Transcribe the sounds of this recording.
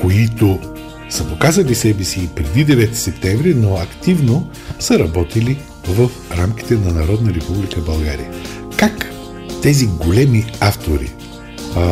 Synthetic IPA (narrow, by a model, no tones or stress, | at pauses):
koit̪o | səpokazɐlisɛbɛsiːpɾɛd̪id̪ɛvɛt̪i̥sɛpt̪ɛ̃mvɾinoɐkt̪ivno | səɾɐbɔt̪ili | vəfɾamk̟ʲi̥t̪ɛnɐnɐɾɔd̪nəɾɛpublikəbɐlˠɡaɾḭə | kak | t̪ɛziɡolɛmiaft̪oɾḭ